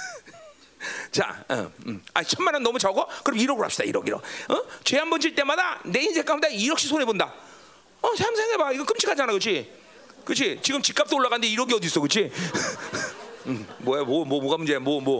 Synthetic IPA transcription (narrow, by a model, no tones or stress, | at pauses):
t͡ɕa̰ʌ̰ma̰t͡ɕʰʌmːanʌnːʌmut͡ɕaɡʌkɯɾebiɾʌɡɯɾɭapɕ͈id̥a̰ḭɾʌ̰ɡiɾʌ̰ʌt͡ɕwe̞ɦambʌnd͡ʑiɭt͈e̞madane̞insʰek͈amdaiɾʌk̚ɕ͈ʰisʰonebonda | ʌsʰamsʰeŋebaiɡʌnkɯmt͡ɕʰikʰad͡ʑanakɯt͡ɕʰi | kɯt͡ɕʰit͡ɕiɡɯmt͡ɕik͈ap̚t͈ooɭːaɣandeiɾʌɡiʌdis͈ʌkɯt͡ɕʰi | mʌmomʌmoɡamund͡ʑe̞mʌmʌ